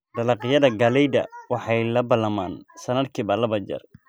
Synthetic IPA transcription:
d̪̥ɐlɑqɪjɐðɐɡɐlɛjd̪ɐ̰wɑħɑjlɐbɐlɐmaːnsɐnɐd̪kʰiːbɐlɐβɐd͡ʒɐ̰r

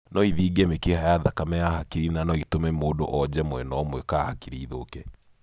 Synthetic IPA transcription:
nɔiðiɡɛmekehajaðakamɛahakiɾinanɔitomɛmoːdo̰ʔɔd͡ʑɛmwɛnɔmwɛkaːhakiɾiːðoːkɛ

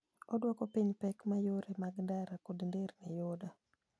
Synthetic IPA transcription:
ɔdwɔkɔpiɲpɛkmajoɾemaɡndaɾakodndernɛjoda

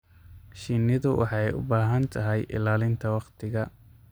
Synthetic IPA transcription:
ʃiːnɪðʊwʔɑ̰ħɑɛjʊ̰baːɦɐnt̪ʰɐɦɛjʔɪ̰laːlɪnt̪ʰɐwɑqt̪ʰɪɣɐ

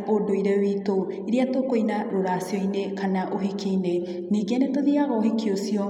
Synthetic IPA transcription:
ʔodojɾewit̪o | iɾiat̪okojnaɾoɾaːsiojnekanaʔoɦikijne | niɡenet̪oðiaɡɔɦikiosio

